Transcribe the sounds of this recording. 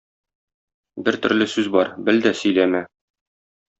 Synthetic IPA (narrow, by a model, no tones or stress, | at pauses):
bɘɾt̪ɵ̆ɾlɘsʉzbɒɾbɘld̪æsɵ̆jlæmæ